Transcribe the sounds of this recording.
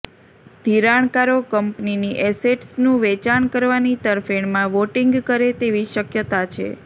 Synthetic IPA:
d̪̥ʱiɾaɳkaɾokəmpniniʔɛseʈsnũʋɛt͡ʃaɳkəɾʋanit̪əɾfeɳmãʋoʈiŋɡkəɾet̪eʋiʃəkjət̪at͡ʃʰḛ

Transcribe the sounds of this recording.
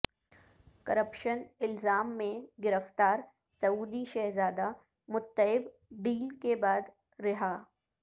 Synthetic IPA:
kɐɾəpʃənɪlzaːmːẽɡɪɾəft̪aːɾ | sɐuːd̪iʃɛɦzaːd̪a | mʊt̪ːəɪb | ɖ̪iːlkebaːd̪ | ɾɪɦaː

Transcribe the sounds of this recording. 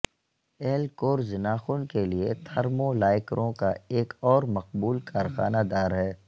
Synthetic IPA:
ɛːlkoːɾzɪnaːxʊːnkeliet̪ʰɐɾmõlaːɪkɾʔõkaeːkɔːɾmɐqbuːlkaːɾxaːnad̪aːɾɦɛː

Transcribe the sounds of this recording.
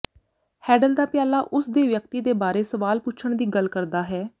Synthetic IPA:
hɛːɖəld̪aːpɪjaːlaːʔʊsd̪eːʋjək̚t̪iːd̪eːbaːɾeːsəʋaːlpʊt͡ʃʰəɳd̪iːɡəlkəɾd̪aːɦɛː

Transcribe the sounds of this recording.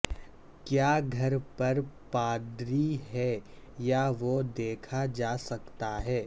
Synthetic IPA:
kjaːɡʱɐɾpɐɾpaːd̪ɾiɦɛ | jaʋod̪eːkʰad͡ʒaːsɐkt̪aɦɛː

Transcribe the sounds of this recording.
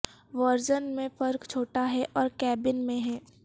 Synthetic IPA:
ʋəɾd͡ʒənmẽfɐɾkt͡ʃʰoːʈaɦɛʔɔːɾkɛːbɪnmẽɦɛː

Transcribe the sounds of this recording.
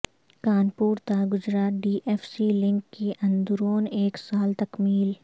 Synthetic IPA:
kaːnpuːɾt̪aɡʊd͡ʒɾaːt̪̚ɖiːʔeːfsilɪ̃ŋkːiʔɐ̃nd̪ʊɾoːneːksaːlt̪ɐkmiːl

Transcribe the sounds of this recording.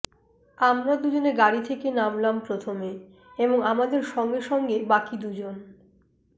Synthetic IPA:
amɾad̪ud͡ʑoneɾɡaɾit̪ʰekenamlampɾot̪ʰome | eboŋamad̪eɾʃɔŋɡeʃɔŋɡebakid̪ud͡ʑon

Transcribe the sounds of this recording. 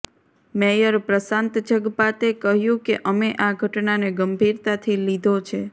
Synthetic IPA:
mejəɾpɾəsãnt̪d͡ʒəɡpat̪ekəɦjũkeʔəmeʔaɡʱəʈnaneɡəmbʱiɾt̪at̪ʰilid̪ʱot͡ʃʰe

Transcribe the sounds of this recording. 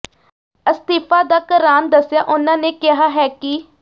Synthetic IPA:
əst̪iːpʰaːd̪aːkəɾaːnd̪əsːja̰ːʔʊnãːneːkɪɦaːɦɛːki

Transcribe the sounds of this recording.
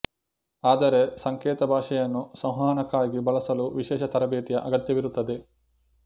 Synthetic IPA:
aːd̪ɐɾesɐŋkɛːt̪ɐbʱaːʂɐjɐnːusɐw̃ɦaːnɐkːaːɡibɐɭɐsɐluʋiʃɛːʃɐt̪ɐɾɐbeːt̪ijɐʔɐɡɐt̪jɐʋiɾut̪ːɐd̪e

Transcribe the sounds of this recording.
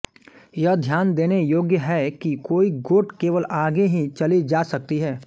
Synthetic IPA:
jɐɦd̪ʱjaːnd̪eːnejoːɡjəɦɛkikoːiɡoːʈkeːʋəlʔaːɡeɦit͡ʃɐlid͡ʒaːsɐk̚t̪iɦɛː

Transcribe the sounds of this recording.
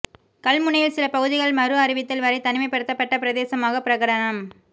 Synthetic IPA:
kɐlmʊɳɐjɪlsɪlɐpɐɣɯðɪɣɐɭmɐɾɯɐɾɪʋɪt̪ːɐlʋɐɾɐɪt̪ɐnɪmɐɪpːɐɽɯt̪ːɐpːɐʈːɐpɪɾɐðeːsɐmaːɣɐpɪɾɐɣɐɽɐnɐm

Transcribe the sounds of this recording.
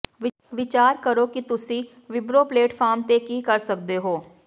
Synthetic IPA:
ɪ | ʋɪt͡ʃaːɾkəɾokit̪ʊsi | ʋɪbɾopleːʈfʰaːɾmt̪ekikɐɾsɐk̚d̪eɦoː

